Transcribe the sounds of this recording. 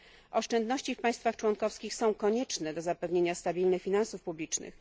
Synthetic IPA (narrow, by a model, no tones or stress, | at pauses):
ʔɔʂt͡ʂɛnd̪nɔɕt͡ɕifpaj̃st̪faxt͡ʂwɔnkɔfskʲixsɔ̃w̃kɔɲɛt͡ʂnɛd̪ɔzapɛvɲeɲast̪abʲilnɘxfʲinãnsufpublʲit͡ʂnɘ̰x